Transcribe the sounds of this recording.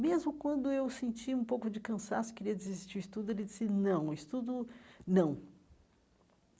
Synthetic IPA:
mezmʊkwɐ̃nd̪ʊewsẽnt͡ʃiũpowkʊd͡ʒɪkɐ̃sa̰sʊ̥keɾiɐd͡ʒɪzist͡ʃiuist̪ud̪ʊelɪd͡ʒisɪnɐ̃w̃ist̪ud̪ʊnɐ̃w̃

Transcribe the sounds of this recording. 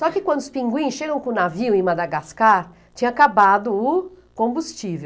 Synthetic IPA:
sɔkɪkwɐ̃nd̪ʊspĩŋɡwĩsʃeɡɐ̃w̃kõnaviwẽmad̪aɡaskaɾ | t͡ʃĩɲɐakabad̪ʊː | kõbust͡ʃivew

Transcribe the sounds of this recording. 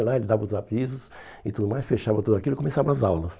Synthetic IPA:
laelɪd̪avɐʊzavizʊs | ɪt̪ud̪ʊmajsfeʃavɐt̪ud̪ʊakilʊɪkomesavɐ̃ɐzawlɐs

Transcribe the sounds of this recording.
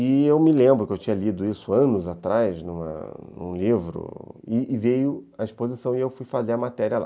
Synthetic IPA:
ɪewmɪlẽmbɾʊkɪewt͡ʃĩɲɐlid̪ʊisʊɐ̃nʊzat̪ɾajznũmɐ̰nṵ̃livɾʊ̰ɪvejʊaispozisɐ̃w̃ɪewfujfazeɾɐmat̪ɛɾiɐla̰

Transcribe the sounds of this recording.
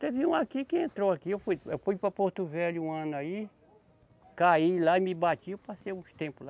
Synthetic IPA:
t̪evɪũakikɪẽnt̪ɾoakiewfujewfujpɾɐpoɾt̪ʊvɛʎʊũɐ̃nʊai | kailaɪmɪbat͡ʃiewpasejũst̪ẽpʊla

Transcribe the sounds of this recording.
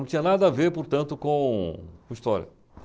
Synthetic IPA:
ɐ̃t͡ʃ̪ĩɲɐnad̪ɐaveɾpoɾt̪ɐ̃nt̪ʊkõkõist̪ɔɾjɐ̰

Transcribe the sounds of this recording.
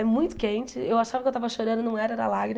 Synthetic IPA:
ɛmũj̃t̪ʊ̥kẽnt͡ʃɪewaʃavɐkewt̪avɐʃoɾɐ̃nd̪ʊnɐ̃w̃ɛɾɐɛɾɐ̰laɡɾi

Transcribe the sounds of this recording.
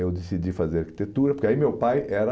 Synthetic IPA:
ewd̪esid͡ʒifazeɾaɾki̥t̪et̪uɾɐpoɾkeaimewpajɛɾɐ

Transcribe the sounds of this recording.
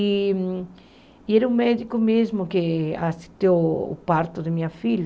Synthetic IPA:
i | ieɾũmɛðikʊmezmʊkeasit̪eʊ̰paɾt̪ʊðɪmĩɲɐfiʎ

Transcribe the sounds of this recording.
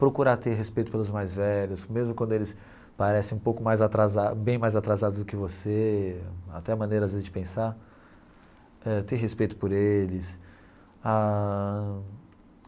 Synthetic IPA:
pɾokuɾaɾt̪eɾɦespejt̪ʊ̥pelʊzmajzvɛʎʊsmezmʊkw̃nd̪ʊelɪs | paɾɛsẽũpowkʊmajzat̪ɾazabẽj̃majzat̪ɾazad̪ʊzd̪ʊkɪvose | a̰t̪ɛɐmɐ̃nejɾɐazvezɪzd͡ʒɪpẽsaɾ | ɛt̪eɾɦespejt̪ʊ̥poɾelɪs | a

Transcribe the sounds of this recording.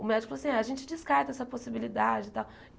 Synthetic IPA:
ʊmɛd͡ʒɪkfloasĩaɐʒẽnt͡ʃɪd͡ʒɪskaɾt̪ɐɛsɐposibilid̪ad͡ʒɪt̪aw

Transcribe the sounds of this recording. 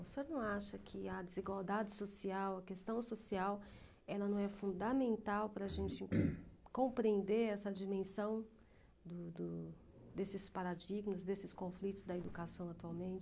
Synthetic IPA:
usoɾnɐ̃w̃aʃɐkʰɪɐd͡ʒɪziɡwawd̪ad͡ʒɪsosiawɐkest̪ɐ̃w̃sosiaw | ɛlɐnɐ̃w̃ɛfũnd̪amẽnt̪awpɾɐːʒẽnt͡ʃɪkõpɾiẽnd̪eɾɛsɐd͡ʒimẽsɐ̃w̃ | d̪ʊd̪ʊ | d̪esɪspaɾad͡ʒiɡmɐzd̪esɪskõflit̪ʊzd̪ɐed̪ukasɐ̃w̃at̪uawmẽnt͡ʃɪ

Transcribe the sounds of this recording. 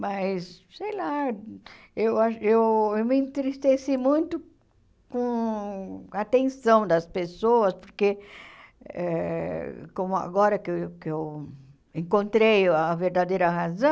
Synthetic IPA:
majssejla | ewaʃewewmɪĩnt̪ɾist̪esimũj̃t̪ʊ | kõ | at̪ẽnsɐ̃w̃d̪ɐspesoɐspoɾke | ɛ | kõmʊa̰ɡɔɾɐkekew | ẽŋkõnt̪ɾejaveɾd̪ad̪ejɾɐɦazɐ̃

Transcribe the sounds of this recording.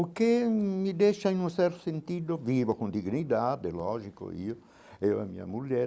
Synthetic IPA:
ukemid̪eʃainũnsɛɾt̪o̥sent̪id̪ovivokõnd̪iɡnid̪ad̪elɔʒiko̰ḭo | ewɛ̰mḭa̰mulɛ

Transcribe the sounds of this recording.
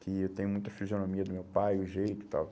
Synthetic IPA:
kɪewt̪ẽjʊ̃mũj̃t̪ɐfizionomiɐd̪ʊmewpajʊʒejt̪ʊi̥t̪a̰w

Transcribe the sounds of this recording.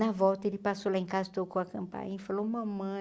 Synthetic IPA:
nɐvɔwt̪ɐelɪpasolaẽkazɐt̪okõɐkɐ̃mpã̰jɲɐ̃ifalomɐ̃mɐ̃

